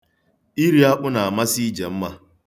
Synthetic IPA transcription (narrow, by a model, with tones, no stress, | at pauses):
ʔi˦ɾja˦ʔʊ˦naː˨mɐ˦siː˦d͡ʒɐ˨mːa˨